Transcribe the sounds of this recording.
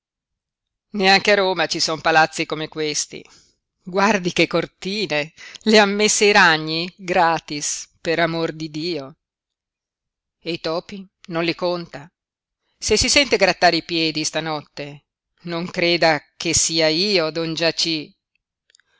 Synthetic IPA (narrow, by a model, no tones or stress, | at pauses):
neaŋk̟earːoːmat͡ʃisɔmpalat̪sːikomekwest̪ḭ | ɡward̪ikekːort̪iːneleamːesːeiɾaɲːiɡɾaːt̪ispeɾamord̪id̪iːo | eit̪ɔːpi | nonlikont̪a | sesisɛnt̪eɡɾat̪ːaːɾeipjɛːd̪ist̪anɔt̪ːe | noŋkɾeːd̪ak̟esːiːaiːod̪ɔnd͡ʒat͡ʃi